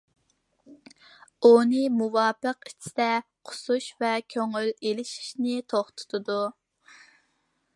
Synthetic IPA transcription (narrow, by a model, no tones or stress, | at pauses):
onɨmuwɑːpəqit͡ʃʰɪ̥d̪ɛqʰʊ̥suʃvɛkʲʰøŋylelɪʃi̥ʃnɪt̪ʰoχt̪ʰʊ̥t̪ʰɨd̪u